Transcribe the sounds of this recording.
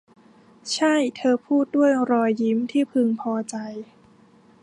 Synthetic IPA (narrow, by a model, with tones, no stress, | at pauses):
t͡ɕʰa˥˩jt̪ʰɤː˧pʰuː˥˩t̪̚du˥˩əjɾɔː˧jːi˧˦˥mt̪ʰiː˥˩pʰɯ˧ŋpʰɔː˧t͡ɕa˧j